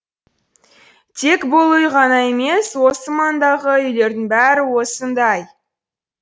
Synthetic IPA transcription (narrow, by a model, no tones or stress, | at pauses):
t̪ʰe̞kbolˠəjʁɑnɑe̞me̞swo̞səmɑnd̪ɑʁəʏjle̞ɾd̪ɪŋbæɾɪwo̞sənd̪ɑj